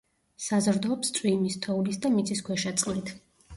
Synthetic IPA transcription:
sazɾd̪ɔːpst̪ʼwimist̪ʰɔulisd̪amit̪sʼʰiskʰwɛʃat̪sʼqʼlit̪ʰ

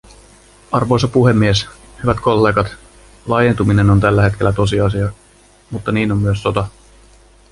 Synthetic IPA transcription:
ɑrʋo̞jsɑpuɦe̞mːie̞s | hyʋæt̪ko̞lːe̞ːɡɑt̪ | lɑje̞nt̪umine̞nont̪ælːæɦe̞t̪k̟e̞lːæt̪o̞s̬iɑsiɑ | mut̪ːɑniːno̞mːyøsːo̞t̪ɑ

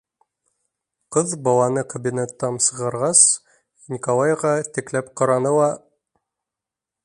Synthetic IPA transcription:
qɤðbɑlˠɑnɤkɐbʲinʲet̪ːɑnsɤ̆ʁɑɾʁɑs | nʲikolˠɑjʁɑt̪ɘ̆klæpqɑɾɑnɤ̆lˠɑ

